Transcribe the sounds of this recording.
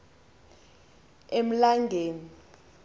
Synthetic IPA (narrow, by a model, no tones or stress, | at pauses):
em̩laŋɡʱeːni